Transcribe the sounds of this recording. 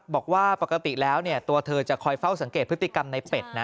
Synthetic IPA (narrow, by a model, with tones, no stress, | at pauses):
bɔː˨˩k̚waː˥˩pa˨˩ka˧t̪i˨˩lɛː˦˥wni˥˩ɐt̪u˧ɐt̪ʰɤː˧t͡ɕa˨˩kʰɔː˧jfa˥˩wsa˩˦ŋkeː˨˩pʰɯ˦˥t̪ːi˨˩ka˧mna˧jpe˨˩t̪̚na˦˥